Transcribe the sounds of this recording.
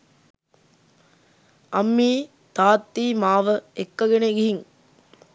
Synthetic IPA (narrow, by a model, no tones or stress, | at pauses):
ɐmːiː | t̪aːt̪ːimaːʋɐɛkːɐɣɪnɐɡɪɦɪŋ